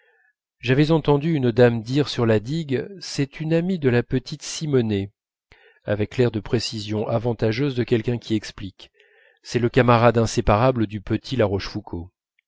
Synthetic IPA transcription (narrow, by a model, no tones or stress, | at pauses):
ʒavɛzɑ̃t̪ɑ̃d̪yynd̪amd̪iʁsyʁlad̪iɡsɛt̪ynamid̪əlapət̪ʰit̪simɔne | a̰vɛklɛʁd̪əpχesizjɔ̃ʔavɑ̃t̪aʒøzd̪əkʲɛlkʲɛ̃kʲiɛksplik | sɛləkamaʁad̪ɛ̃sepaʁabləd̪ypət̪ʰilaʁɔʃfukʰo